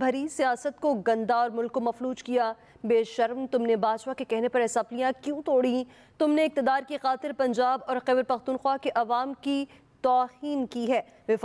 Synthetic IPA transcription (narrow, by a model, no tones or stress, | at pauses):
bʱɐɾisijaːsət̪̚koɡɐ̃nd̪aɔːɾmʊlkːomɐfɾuːd͡ʒkija | beːʃɐɾmt̪ʊmnebaːd͡ʒwakekɛɦnepɐɾɛɪsɐflijãkjũːt̪oːɽĩ | t̪ʊmneɪk̚t̪ɪd̪aːɾkixaːt̪ɪɾpɐ̃ɲd͡ʒaːbɔːɾxɛːʋəɾpɐxt̪uːnxwakeʔɐʋaːmki | t̪ɔːhiːnkiɦɛː | ʋɪf